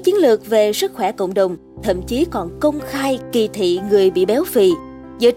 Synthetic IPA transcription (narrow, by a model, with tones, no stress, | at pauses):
t͡ɕi˨˦ənlɨ˨˩ək̚ve˨˩sɨ˦˥k̚xwɛ˧˩kə̰˧˨wŋ͡mɗə˨˩wŋ͡m | t̪ʰə̰˧˨mt͡ɕi˨˦kɔ˨˩nkə˧wŋ͡mxaː˧jki˨˩t̪ʰḭ˧˨ŋɨ˨˩əjɓḭ˧˨ɓɛ˨˦wfḭ˧˨ | zə̰ː˧˨